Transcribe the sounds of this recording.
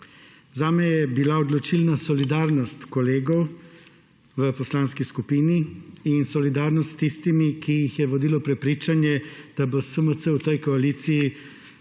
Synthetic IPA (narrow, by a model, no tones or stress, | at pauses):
zaːmɛjɛbilaɔd̪lɔt͡ʃilnasɔlid̪aːɾnɔst̪kɔleːɡɔw | ʋəpɔslanskiskupiːniinsɔlid̪aːɾnɔst̪t̪ːist̪imikijixjɛʋɔd̪iːlɔpɾɛpɾiːt͡ʃanjɛd̪̥abosəmət̪səwt̪əjkɔaliːt̪siji